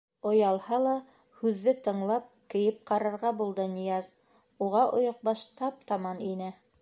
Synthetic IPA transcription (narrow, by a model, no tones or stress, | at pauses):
ŏjɑlˠhɑlˠɑ | hʉðːɘt̪ɤ̆ɴlˠɑp̚kɘ̆jɘp̚qɑɾɑɾʁɑbulˠd̪ɤnɤ̆jɑz | uʁɑʔŏ̰joq̚bɑʃt̪ɑp̚t̪ɑmɑninɘ